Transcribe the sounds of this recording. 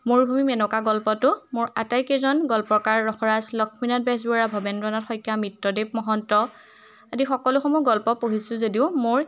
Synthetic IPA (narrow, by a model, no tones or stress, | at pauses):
moɹbʱumimɛnɔkaɡɔlpɔtʊmʊɹatajkezɔnɡɔlpɔkaɹːɔxɔɹaslɔkʰminat̚bɛs̬bɔɹabʱɔbɛndɹɔnatxɔjkjamitɹɔdep̚mɔɦɔntɔ | adixɔkɔlʊxɔmɔʊɹɡɔlpɔpoɦisʊzodiʊmʊɹ